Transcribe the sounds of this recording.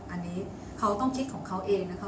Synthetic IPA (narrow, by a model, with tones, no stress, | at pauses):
ʔa˧nːiː˦˥ | kʰa˦˥wt̪ɔ˥˩ŋkʰi˦˥t̪̚kʰɔː˩˦ŋkʰa˦˥wʔeː˧ŋna˦˥kʰa˦˥